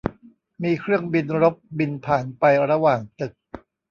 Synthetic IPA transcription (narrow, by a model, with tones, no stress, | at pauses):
miː˧kʰɾɯ˥˩əŋbi˧nɾo˦˥p̚bi˧npʰaː˩˦npa˧jɾa˧waː˨˩ŋt̪ɯ˨˩k̚